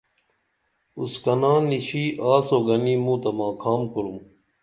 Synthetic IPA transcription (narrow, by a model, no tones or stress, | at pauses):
uskɐnãːniɕiːʔaːsoːɡɐniːmũːt̪ɐmãːkʰaːmkuɾum